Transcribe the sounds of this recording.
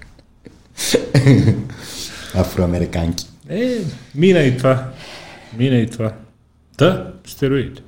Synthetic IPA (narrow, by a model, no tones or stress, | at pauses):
afɾoameɾikankʲeminejt̪ʰva | minejt̪ʰva | d̪̥əst̪eɾwid̪̥